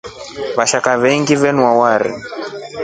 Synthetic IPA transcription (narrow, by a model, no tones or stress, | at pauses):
βaʃakaβɛŋɡivɛnwawaɾḭ